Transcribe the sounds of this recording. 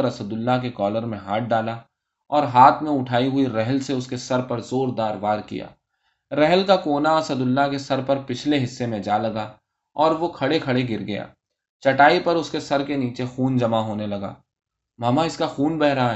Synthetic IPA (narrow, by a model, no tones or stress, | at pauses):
əɾɐsəd̪ʊlːak̬ekɔːləɾmẽɦaːʈ̚ʰɖaːla | ɔːɾɦaːt̪ʰmẽʊʈʰaːiɦʊiɾɛɦəlseʊskesɐɾpɐɾzoːɾd̪aːɾʋaːɾkḭja̰ː | ɾɛɦlkakoːnaɐsəd̪ʊlːakesɐɾpɐɾpɪt͡ʃʰleɦɪsːemẽd͡ʒaːlɐɡa | ɔːɾʋokʰɐɽekʰɐɽeɡɪɾɡɐja̰ː | t͡ʃɐʈaːipɐɾʊskesɐɾkeniːt͡ʃexuːnd͡ʒɐmaɦoːnelɐɡa̰ː | maːmaɪskaxuːnbɛɦɾaa